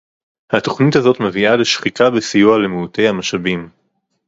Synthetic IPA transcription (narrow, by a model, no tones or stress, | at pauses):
hato̞χnithazo̞t̪me̞viale̞ʃχikabesijualemeute̞jhamaʃabim